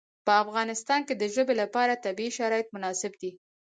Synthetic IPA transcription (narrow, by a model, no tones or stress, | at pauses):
pəafɣɑnɪst̪ɑnked̪əʒəbelapɑɾat̪abiiʃaɾɑjɪt̪̚mʊnɑsɪbd̪i